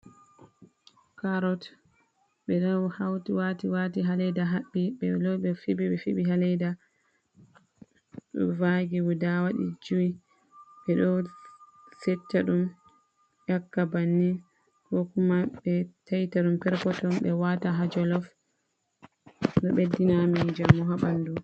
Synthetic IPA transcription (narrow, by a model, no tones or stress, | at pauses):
kaɾɔt | ɓɛɗɔhawtiwatiwatiɦalɛjdaɦaɓːiɓɛlɔɓɛfibiɓɛfḭɓiɦalɛjda | vaɡiwudawaɗḭd͡ʒuwi | ɓɛɗɔ | sɛtːaɗum | jakːabanːi | kɔkumaɓɛtajtaɗumpɛɾkɔtɔnɓɛwataɦad͡ʒɔlɔf | ɗɔɓedːinamind͡ʒamːɔɦaɓandu